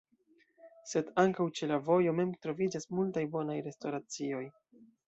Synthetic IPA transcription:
se̞daŋkawt͡ʃe̞lavo̞jo̞me̞mtɾo̞vid͡ʒasmultajbo̞najɾe̞stoɾat͡sio̞j

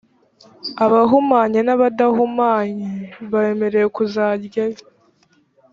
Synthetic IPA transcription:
aβaɦumaːɲenaβadaɦumaːɲiβaeme̞ɾe̞jekuzaːɾɟaji

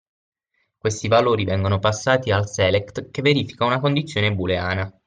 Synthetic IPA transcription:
kwest̪ivaloːɾivɛŋɡonopasːaːt̪ialsɛlɛkt̪keveɾiːfi̥kaunakond̪it̪sːjoːnebulea̰ːna

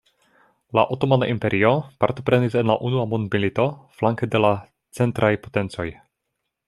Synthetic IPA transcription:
la̰ʔotomanaʔimpe̞ɾʔio̞paɾto̞pɾe̞nise̞nlaʔunuamondmilito̞flaŋkede̞la | t͡se̞ntɾajpo̞te̞nt͡so̞j

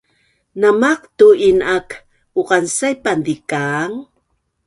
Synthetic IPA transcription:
namaqt̪uinak | uqansajpand̪ikaŋ

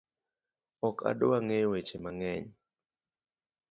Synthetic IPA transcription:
ɔkʰa̰dowaŋejwet͡ʃemaŋɛɲ

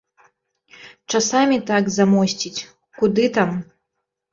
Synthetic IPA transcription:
t͡ʂasamʲit̪aɡzamɔsʲt͡sʲit͡sʲ | kud̪ɨt̪am

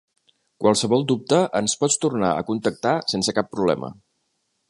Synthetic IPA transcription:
kwalˠsəβɔlˠd̪up̚t̪əʔənspɔt͡st̪urnaə̰kunt̪ək̚t̪asensəkapːɾuβlɛ̰mə̰

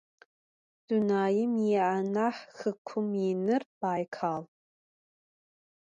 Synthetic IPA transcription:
d̥unaːjɪmiʕanaħxɨkʷʰʊminɨrb̥aːjkʰaːl

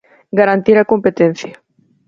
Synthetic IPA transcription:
ɡaɾant̪iɾakompet̪en̟θja

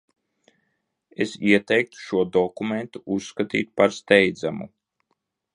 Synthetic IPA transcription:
esiɛt̪ɛjk̚t̪u̥ʃuɔd̪ɔkument̪uusːkat̪ḭːt̪̚paɾst̪ɛjd̪zamṵ

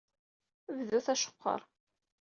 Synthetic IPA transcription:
vðuθæʃə̥qʰʷːɑ̰ɾˤ

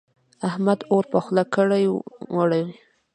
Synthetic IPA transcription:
ahmad̪oɾpaxlakəɽajwaɽawi

